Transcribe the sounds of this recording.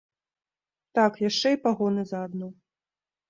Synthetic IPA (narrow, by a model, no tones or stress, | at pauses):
t̪akjaʂt͡ʂɛipaɣɔnɨzɐːd̪nɔ